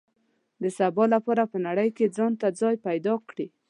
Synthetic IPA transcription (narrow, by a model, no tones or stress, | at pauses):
d̪əsabɑlapɑɾapənaɽəjked͡zɑnt̪ad͡zɑjpajd̪ɑkɽi